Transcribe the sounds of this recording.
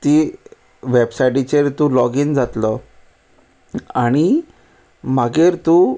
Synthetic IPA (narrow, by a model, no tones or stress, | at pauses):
t̪i | ʋebsajʈit͡ɕeɾt̪ũlɔɡiːnd͡zat̪lə | aɽ̃i | m̤aɡeɾt̪u